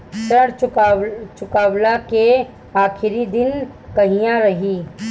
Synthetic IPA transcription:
səɽt͡ʃʊt͡ʃʊkaːwlake | aːkʰɪɾid̪ɪnkɐɦijãɾɐɦiː

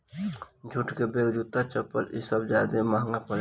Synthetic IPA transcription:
d͡ʒʱʊʈʰkebeːɡd͡ʒut̪ːat͡ʃəpːə̰lḭsəbd͡ʒaːd̪emaɦŋɡapəɾ

